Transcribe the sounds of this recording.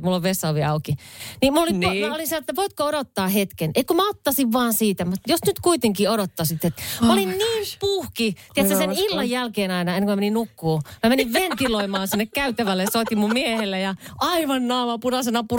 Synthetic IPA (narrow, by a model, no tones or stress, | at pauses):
mulːoʋʋesːɑʋiɑukinimulolimoolinselet̪ːæʋoit̪̚kooɾot̪ːɑːhet̪keneikumæot̪ːɑsiʋʋɑːnsiːt̪æmut̪josnyt̪kuit̪eŋkioɾot̪ːɑsit̪ːet̪molinniːmpuhkit̪iet̪sæsenilːɑjjælkeːnɑinɑenːeŋkmæmeninnukːuːmæmeniʋʋent̪iloimɑːnsinːekkæyt̪æʋælːeɑsot̪imummiehelːejɑɑiʋɑnːɑːʋɑpuɾɑsenɑpu